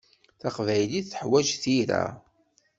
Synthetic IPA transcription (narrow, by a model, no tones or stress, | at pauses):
θaqvæjliθθəħwæʒθiɾæ̰